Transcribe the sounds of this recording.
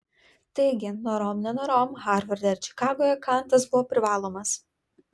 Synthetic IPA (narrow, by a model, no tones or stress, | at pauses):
t̪ɐɪɡʲɪnɔɾɔmnʲɛnɔɾoːmɣɑːɾʋɐɾʲd̪ʲɛɾʲt͡ʃʲɪ̥kɑːɡoːjɛkɑˑnˑt̪ɐs̬bʊʋɔːpʲɾʲɪʋɑːlˠoːmɐs